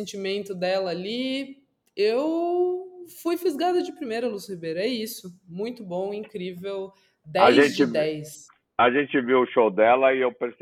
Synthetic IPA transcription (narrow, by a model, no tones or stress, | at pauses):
ẽnt͡ʃimẽnt̪ʊd̪ɛlɐːli | ew | fujfizɡad̪ɐd͡ʒɪpɾimejɾɐlushibejɾɐɛisʊmũj̃t̪ʊbõw̃ĩŋkɾivew | d̪ɛaʒẽt͡ʃd͡ʒɪd̪ɛjs | aʒẽnt͡ʃɪviwʊʃowd̪ɛlɐɪewpeɾs